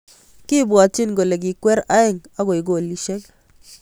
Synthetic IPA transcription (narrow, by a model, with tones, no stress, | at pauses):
ki˦bwa˨t͡ʃi˦nɡo˨le˨ɡ̬i˨kwɛ˦ɾa˦ɪ˨ŋa˦ɡo˨ɪ˨ɡo˨li˨ʃe˦k